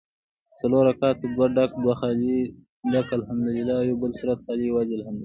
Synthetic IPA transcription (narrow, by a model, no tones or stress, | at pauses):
t͡sɐloːɾɐkaːt̪ud̪waɖɐkd̪waxaːli | ɖakɐlɦɐmd̪ulilːaːjobəlsuɾɐt̪̚xaːliwaziɐlhɐmd̪u